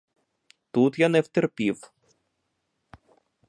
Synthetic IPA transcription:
t̪ut̪janɛwt̪ɛrpʲiw

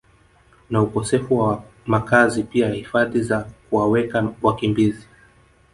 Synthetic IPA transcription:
naukɔsɛfuwa | makazipiajahifaðizakuwawɛkawakimbizi

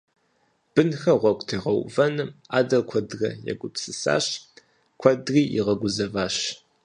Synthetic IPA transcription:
b̥ɨnxɐʁʷɔkʷʼtʰeːʁɐwvɐnɨmaːdɐlkʷʰɐdrɐ̰jɛ̰ɡʷʊpsɨsa̰ːɕ | kʷʰɐdriːʔḭʁɐɡʷʊzɐvaːɕ

